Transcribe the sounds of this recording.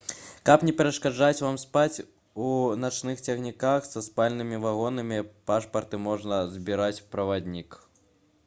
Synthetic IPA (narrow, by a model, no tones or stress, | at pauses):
kɐpnʲɛpʲɛɾɐʂkad͡ʐat͡sʲvamspat͡sʲ | unat͡ʂnɨxt͡sʲɐɣnʲikaxsɐspalʲnɨmʲivaɣɔnɐmʲipaʂpɐrt̪ɨmɔʐnɐzbʲiɾat͡sʲpɾɐvad̪ʲnʲik